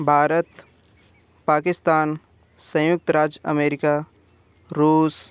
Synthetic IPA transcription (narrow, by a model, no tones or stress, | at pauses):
bʱaːɾət̪ | paːkɪst̪aːn | sɐ̃jʊk̚t̪ɾaːd͡ʒjɐ̰meːɾɪkaː | ɾuːs